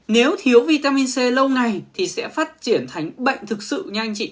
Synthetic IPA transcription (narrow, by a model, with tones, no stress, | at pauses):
ne˨˦wt̪ʰi˨˦əwvi˧t̪aː˧mi˧nse˧lə˧wŋa˨˩jt̪ʰi˨˩sɛ̰˧˥faː˦˥t̚t͡ɕi˧˩ənt̪ʰa˨˦jŋ̟ɓə̰˧˨jŋ̟t̪ʰɨ˨˩k̚sɨ̰˧˨ɲa˧jŋt͡ɕḭ˧˨